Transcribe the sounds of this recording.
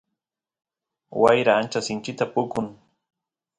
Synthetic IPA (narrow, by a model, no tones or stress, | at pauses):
wajɾaːnt͡ʃasɪnt͡ʃɪt̪apʊkʊŋ